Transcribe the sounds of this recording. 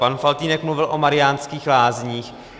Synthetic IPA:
panfalt̪iːnɛkmluvɪlʔomaɾɪjaːnskiːxlaːzɲiːx

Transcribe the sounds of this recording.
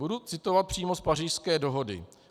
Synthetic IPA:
udut͡sɪt̪o̞vat̪̚pr̝̥iːmospariːʃskɛːdo̞ɦo̞dɪ̰

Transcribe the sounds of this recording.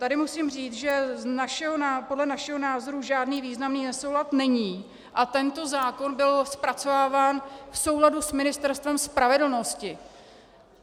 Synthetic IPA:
t̪adɪmusiːmr̝iːt͡sʒɛnaʃɛɦonapo̞dlɛnaʃɛɦo̞naːzo̞ɾuʒaːdniːviːznamniːnɛsowɦlat̪nɛɲiː | ʔat̪ɛnt̪o̞zaːko̞nbɪlspɾat͡so̞vaːvaːnfso̞wladusmɪnɪst̪ɛɾst̪vɛmspɾavɛdl̩no̞scɪ

